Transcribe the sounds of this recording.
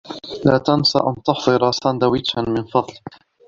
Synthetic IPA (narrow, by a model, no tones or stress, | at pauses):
la̰ːt̪ansa̰ʔant̪ʊħðˤɨɾasand̪awɪt͡ʃːanmɪnfɑðˤlɪ